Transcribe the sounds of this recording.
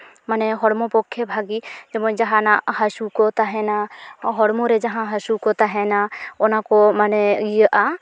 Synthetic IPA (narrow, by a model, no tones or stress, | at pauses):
manɛɦɔɽmɔpɔkʰːɛbʱaɡid͡ʒɛbɔ̃d͡ʒaɦãnahasukɔt̪aɦɛnaɦɔɽmɔɾɛd͡ʒaɦãɦasukɔt̪aɦɛnaɔnakɔmanɛɡijəʔa